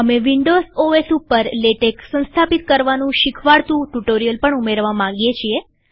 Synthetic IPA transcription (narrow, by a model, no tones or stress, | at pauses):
əmeʋiɳɖozoesupəɾleʈeksə̃nst̪ʰapit̪kəɾʋanũʃikʰʋaɭt̪ũʈuʈoɾijəlpəɳumeɾʋamãŋɡjet͡ʃʰie